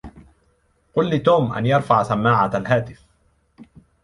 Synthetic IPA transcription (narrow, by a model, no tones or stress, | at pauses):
qʊlːɪt̪uːmʔa̰njɑɾˤfaʕsamːaːʕaalhaːt̪ɪf